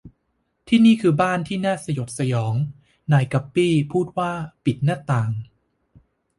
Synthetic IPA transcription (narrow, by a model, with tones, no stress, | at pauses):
t̪ʰiː˥˩niː˥˩kʰɯː˧baː˥˩nt̪ʰiː˥˩naː˥˩sa˧jo˨˩p̚sa˧jɔː˩˦ŋ | naː˨˦jka˨˩pːiː˥˩pʰuː˥˩t̪̚waː˥˩pi˨˩t̪̚naː˥˩t̪aː˨˩ŋ